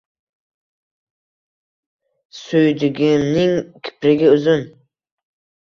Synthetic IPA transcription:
sʊjd̪ɪɡʲɪmnɪŋkʲʰɪ̥pɾɪɡʲɪʊzʊn

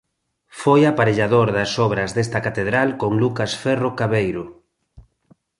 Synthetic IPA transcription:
fojapaɾeʎaðoɾðɐsɔβɾɐzðest̪ɐkat̪eðɾalkoŋlukasfɛrokaβejɾo

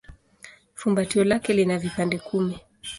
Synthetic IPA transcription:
fumbatiɔlakɛlinavipandɛkʰumi

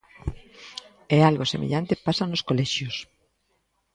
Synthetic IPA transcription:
ealɣosemʔḛʎant̪epasanoskolɛʃjos

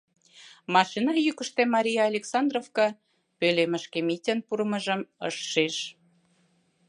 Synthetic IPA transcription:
mɑʃinɑjykəʃt̪emɑɾʲijɑːlʲeksɑnd̪rofkɑ | pøleməʃkemitʲənpuɾəməʒəməʃːeʃ

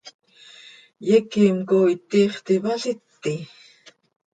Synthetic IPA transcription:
jɛkimkoit̪iːχt̪iβaɬit̪ːi

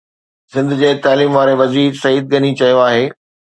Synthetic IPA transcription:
sɪ̃nd̪ʊ̆d͡ʑeːt̪aːliːmʋaːɾeʋɐziːɾsɐɦiːd̪̚ɡɐnit͡ɕɐjoaːɦeː

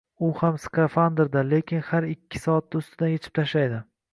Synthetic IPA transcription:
ʊhamskafand̪eɾd̪ale̞kʲʰɪnhaɾɪkʲʰːɪ̥sɒat̪̚ːaʊst̪ɪd̪anjet͡ʃʰɪ̥p̚t̪ʰaʃlajd̪ɪ

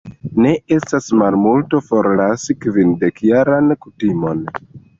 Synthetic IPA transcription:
ne̞e̞stasmalmulto̞fo̞ɾlasikvinde̞kjaɾankutimo̞n

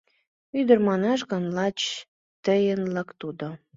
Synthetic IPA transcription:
yd̪ərmɑnɑʃɣə̆nlɑt͡ɕ | t̪əjənləkt̪ud̪o

